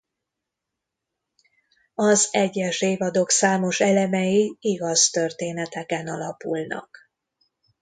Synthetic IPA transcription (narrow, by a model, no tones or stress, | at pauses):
ɒzɛɟːɛʃeːvɒd̪o̞ksaːmo̞ʃɛlɛmɛjiiɡɒzt̪ø̞rt̪eːnɛt̪ɛkɛnɒlɒpulnɒ̰k